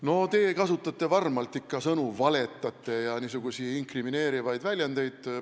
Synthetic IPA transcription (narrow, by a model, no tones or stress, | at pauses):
no̞t̪e̞ːkɑsut̪ːˑɑt̪ːe̞vɑrmɑlt̪ːˑikːɑsɤnuvɑle̞t̪ˑːɑt̪ːˑe̞jɑniːsuɡ̥usiiŋkrimine̞ːɾivɑjd̪vælʲjɑnd̪̥e̞jd̪̥